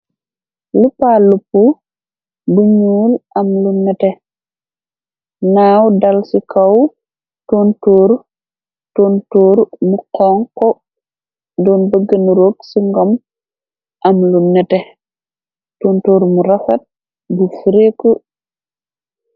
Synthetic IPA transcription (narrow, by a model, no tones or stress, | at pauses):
lupalupːu | buɲuːlʔɐmlunːɛtɛ | naːwdɐlsikʰaw | tontoːɾ | tontoːɾmuqɔːŋkɔ | dɔːnbəɡənɾoːksiŋɡɔm | ʔɐmlunɛtɛ | toːntoːɾmuɾafɐt̚ | bufuɾeku